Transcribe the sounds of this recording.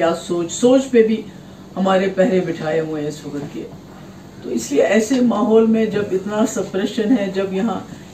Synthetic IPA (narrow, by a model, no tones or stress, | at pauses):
asoːt͡ʃsoːt͡ʃpebʱi | hɐmaːɾepɛɦlebɪʈʰaːeɦõẽsʋəkət̪kḛ | t̪oːɪslieʔɛːsemaːɦɔːlmẽd͡ʒɐbɪt̪nasɐpɾɛʃənɦɛd͡ʒɐbjɐɦã